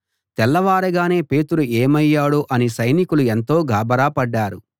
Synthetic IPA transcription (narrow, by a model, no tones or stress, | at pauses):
t̪ɛlːɐʋaːɾɐɡaːne̞ːpe̞ːt̪uɾueːmɐjːaːɽuʔɐnisɐjnikulue̞nt̪o̞ːɡʱaːbɐɾaːpɐɖːaːɾu